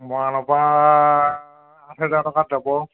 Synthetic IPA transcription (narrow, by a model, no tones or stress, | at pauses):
mɔanɔpa | atʰɛzatɔkatzabɔ